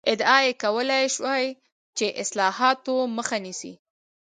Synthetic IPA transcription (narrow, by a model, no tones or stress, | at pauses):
ɪd̪ɑjekawəlajʃwaj | t͡ʃeʔɪslɑhɑt̪oməxanisḭ